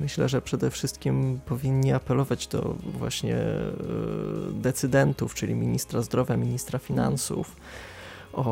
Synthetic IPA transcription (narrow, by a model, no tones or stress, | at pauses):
mɘɕlɛʐɛpʂɛd̪ɛfʂɘst̪̚kʲimpɔvʲiɲːiapɛlɔvad͡ʑd̪ɔ̰vwa̰ɕɲɛ̰ | d̪ɛt̪sɘd̪ɛnt̪uft͡ʂɘlʲimʲiɲist̪ɾazd̪ɾɔvʲjamʲiɲist̪ɾafʲina̰nsṵf | ʔɔ